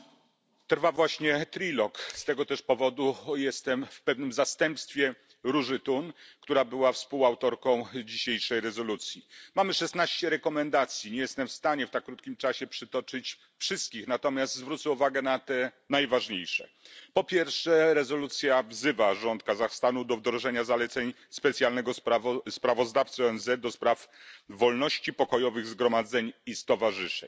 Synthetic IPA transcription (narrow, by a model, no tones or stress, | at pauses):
t̪ɾvavwaɕɲɛt̪ɾilɔkst̪ɛɡɔt̪ɛʂpɔvɔd̪ujɛst̪ɛmfpɛvnɘmzast̪ɛmpst̪fʲjɛ | ɾuʐɘt̪unkt̪uɾabɘwafspuwawt̪ɔɾkɔ̃w̃d͡ʑiɕejʂɛjɾɛzɔlut̪sʲjimamɘʂɛsnaɕt͡ɕɛɾɛkɔmɛnd̪at̪sʲjiɲɛjɛst̪ɛmfst̪aɲɛft̪akːɾut̪kʲimt͡ʂaɕɛpʂɘt̪ɔt͡ʂɘt͡ɕ | fʂɘst̪̚kʲixnat̪ɔmʲjast̪zvɾut̪sɛuvaɡɛnat̪ɛ | najvaʐɲejʂɛ̰pɔpʲjɛɾfʂɛɾɛzɔlut̪sʲjavzɘvaʐɔnt̪̚kazaxst̪anud̪ɔvd̪ɾɔʐɛɲazalɛt̪sɛɲ | spɛt̪sʲjalnɛɡɔsaspɾavɔzd̪aft̪sɨɔɛnzɛt̪̚d̪ɔspɾafvɔlnɔɕt͡ɕipɔkɔjɔvɘɣzɡɾɔmad̪zɛɲist̪ɔvaʐɘʂɛ̰ɲ